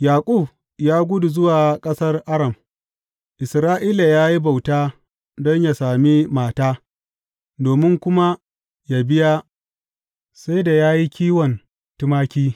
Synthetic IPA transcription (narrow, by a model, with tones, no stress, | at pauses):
jaː˨kʷʼu˦˨b | jaː˦ɡʷʊ˦du˨zʊ˦waː˨kʼɐ˦sɐ˦rʔa˦ɾɐ˨m | ʔɪ˨sɾaː˦ʔiː˦la˨jaː˦ji˦ba˨wtaː˦ | dɔ˦ɲja˨saː˨mi˦maː˨taː˦ | doː˨mɪ˦ŋkʷʊ˦ma˦ | ja˨bɪ˦ja˦ | sa˦jda˨jaː˦ji˦kʲiː˦wɔ˨n | tʊ˦maː˦kʲiː˦